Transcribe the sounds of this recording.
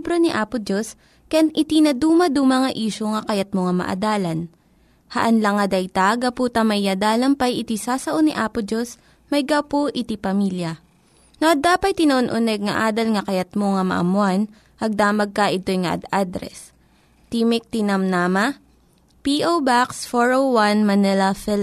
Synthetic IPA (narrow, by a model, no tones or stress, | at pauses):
bɾoniʔaːpʊd͡ʒos | kɐjanʔɪt̪inɐd̪uːmɐd̪umɐŋɐʔiːʃoŋɐkɐjat̪̚moŋɐmɐ̰ʔɐ̰d̪aːlɐn | hɐʔɐnlɐŋɐd̪ɐjt̪aɡɐpuːt̪ɐmɐjːad̪aːlɐmpɐjɪt̪isaːsɐʔoniʔaːpʊd͡ʒos | mɐjɡawpoʔɪt̪ipɐmiljɐ | noʔɐd̪aːpɐjt̪ɪnɐʔonʔʊnɛɡ̚ŋɐ̰ʔaːd̪ɐlŋɐkɐjɐt̪̚moŋɐmɐ̰ʔɐ̰mʊan | ʔɐɡ̚d̪aːmɐɡ̚kɐʔɪt̪o̞jŋɐʔɐ̰d̪ad̪ɾɛ̰s | t̪iːmɪk̚t̪ɪnɐmnamɐ | piʔowbaksfoɹowwanmɐnɛlɐfɪl